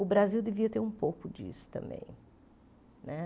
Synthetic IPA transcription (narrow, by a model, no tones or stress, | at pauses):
ʊbɾaziwd̪eviɐt̪eɾũpowkʊd͡ʒḭsʊ̥t̪ɐ̰̃mbḛ̃j̃ | nɛ